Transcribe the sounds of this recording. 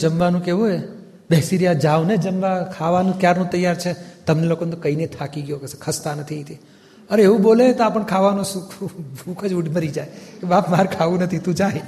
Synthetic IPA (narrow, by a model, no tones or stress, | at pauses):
d͡ʒəmʋanũkeʋũe | bɛɦsiɾjad͡ʒaʋned͡ʒəmʋakʰaʋanũkjaɾnõt̪əjaɾt͡ʃʰet̪əmnelokonet̪okəinet̪ʰakiɡjokeskʰəst̪anət̪ʰĩt̪i | əɾeeʋũbolet̪oapəɳkʰaʋanõsukʰbʱukʰəd͡ʒuɖʱməɾid͡ʒajkebapmaɾkʰaʋũnət̪ʰit̪ũd͡ʒaɦj